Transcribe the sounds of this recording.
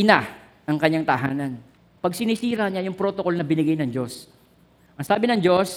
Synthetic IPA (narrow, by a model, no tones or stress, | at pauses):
ʔɪna | ɐŋkɐɲːaŋt̪ɐɦa̰ːnɐn | pɐɡ̚sɪniːsiːɾɐɲajʊŋpɾot̪oko̞lnɐbɪnɪɡajnɐŋd͡ʒo̞s | ʔɐŋsaːbɪnɐŋd͡ʒo̞s